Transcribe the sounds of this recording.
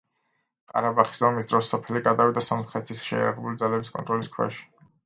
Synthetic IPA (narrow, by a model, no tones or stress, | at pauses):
qʼa̰ɾabaχi̥szɔmisd̪ɾɔsːɔpʰɛliɡad̪avid̪asɔmχɛt̪ʰisʃɛ̰ja̰ɾaʁɛbulid̪zalɛbiskʼɔ̰nt̪ʼɾɔliskʰwɛ̰ʃi̥